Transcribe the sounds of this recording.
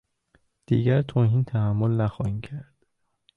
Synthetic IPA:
d̪̥ḭːɡæɾt̪ʰoːhiːnt̪ʰæhæmːolnæxɒːhiːmcʰæɾd̪̥

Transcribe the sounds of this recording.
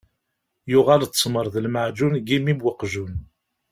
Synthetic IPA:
jʊʁalt͡s̪ːsməɾˤðəlmaʕd͡ʒunɡimimwəqʒun

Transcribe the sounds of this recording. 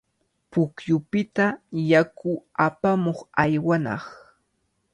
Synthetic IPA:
pʊkjʊpɪt̪ajakʊapamoχajwanɑ̰χ

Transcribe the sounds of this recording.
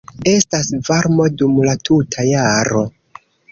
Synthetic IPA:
e̞stasvaɾmo̞dumlatʰutʰajaɾo̞

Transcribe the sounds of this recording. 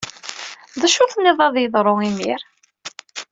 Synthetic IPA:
ðæʃʊθnːiðˤɑðˤjəðˤɾˤoimiɾ

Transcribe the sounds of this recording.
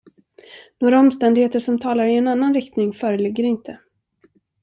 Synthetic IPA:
noːɾaɔmst̪ɛnd̪ɪɡheːt̪əʂɔmt̪ʰɑːlaɾɪɛnanːanɾɪkt̪nɪŋfœːɾəlɪɡːəɾɪnt̪ʰə

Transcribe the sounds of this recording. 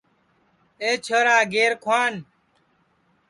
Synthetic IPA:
eːt͡ʃʰəːɾaːɡeːɾkʰwaːn

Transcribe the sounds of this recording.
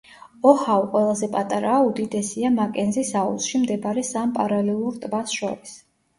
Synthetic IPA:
ɔhauqʼwɛlˠazɛpʼat̪ʼaɾaːud̪id̪ɛsiamakʼɛnzisaṵsʃimd̪ɛbaɾɛsampʼaɾalɛlˠuɾt̪ʼbat̪sʰʃɔ̰ɾis

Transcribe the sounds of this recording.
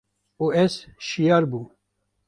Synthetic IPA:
uesʃijɑːɾbuː

